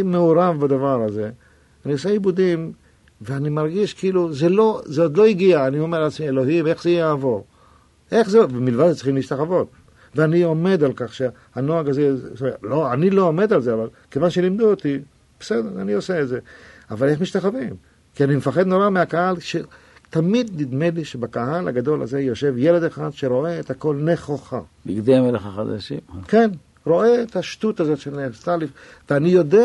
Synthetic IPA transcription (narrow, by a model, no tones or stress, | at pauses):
meuɾavbad̪avaɾaze̞ | anioseibud̪im | veanimaɾɡiʃkiluzelo̞zeod̪lo̞iɡiaːniomeɾalat͡smielo̞ɦime̞χzejjaːvo̞ʁ | ʔeχzebemilvad̪et͡siχimliʃt̪aχavo̞t̪ | veanio̞me̞d̪alkaχʃe | anoaɡazeztoeloanilo̞ːme̞d̪alzeaval | kevanʃelimd̪uot̪i | b̥esed̪eɾanio̞seːtze̞avale̞χmiʃt̪aχavim | kianimefaχed̪no̞ɾameakahalʃe | t̪amid̪nid̪meliʃebakaɦala̰ɡad̪o̞la̰ze̞jo̞ʃe̞vjele̞d̪eχad̪ʃeɾo̞ʔe̞ːthako̞lneχoχabiɡd̪eameleχaχad̪a̰ʃḭmken | ɾo̞eːt̪aʃtut̪azo̞tʃelnest̪alif | veanijo̞de